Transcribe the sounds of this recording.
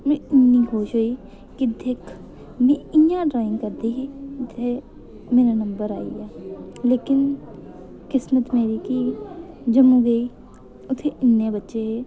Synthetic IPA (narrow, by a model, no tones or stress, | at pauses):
mɛ̃ːɪnːiːɦoːʃɦoːiː | kɪd̪ɪkʰ | mɛ̃ːɪjãːɖɾaːɪ̃ŋɡkəɾd̪iːɦeːʊt̪ʰːeː | meːɾaːnəmbəɾa̰ːḭːaːleːkɪn | kɪsmət̪meːɾiːkiː | d͡ʒəmũːɡəiː | ʊt̪ʰːeːɪnːẽːbətːʃeːɦeː